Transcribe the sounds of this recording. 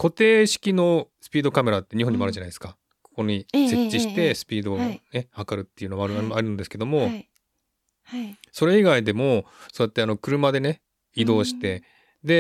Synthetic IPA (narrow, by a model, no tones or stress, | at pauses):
ko̞t̪e̞ːɕi̥kʲino̞sɨ̥pʲiːd̪o̞kame̞ɾat̪ːe̞ɲ̟ĩɦoɲːimaɾɯ̟d͡ʑanaid̪eska | ko̥ko̞ɲ̟ise̞t͡ɕːiɕi̥t̪e̞sɨ̥pʲiːd̪o̞ne̞hakaɾɯ̟t̪ːe̞iɯ̟nomaɾɯaɾɯ̟nd̪esɨ̥ke̞d̪o̞mo̞ | so̞ɾe̞iɡaid̪e̞mo̞so̞ːjat̪ːe̞ano̞kɯ̟ɾɯ̟mad̪e̞ne̞ | id̪o̞ːɕi̥t̪e̞ | d̪e̞